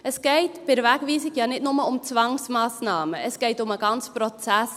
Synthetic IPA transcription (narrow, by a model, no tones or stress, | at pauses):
əsɡ̥eɪtb̥ɪɾvækviːsɪkjɑːnɪtnʊməʊmt͡svɑŋsmɑːsnɑːməəsɡ̥eɪtʊməɡɑnt͡sprɔt͡sæs